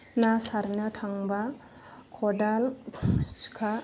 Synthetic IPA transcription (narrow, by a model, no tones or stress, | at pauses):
nasaɾnɔtʰaŋba | kʰɔdalskʰa